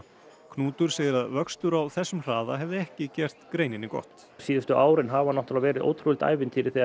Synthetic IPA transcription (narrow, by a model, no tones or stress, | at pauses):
kʰnuːt̪ʏɾ̥seːjðɪɾaðvœkst̪ʏɾawθɛsːʏmr̥aːðaɦɛvðɪɛhcɪcɛr̥t̪kɾeːjnɪnːɪkɔ̰ht̪ | siːðʏst̪ʏʔaːwɾɪnɦaːvhanɔwht̪alavɛːɾɪðo̰wt̪ʰɾul̥t̪a̰ːjvɪnt̪ʰiːɾɪθi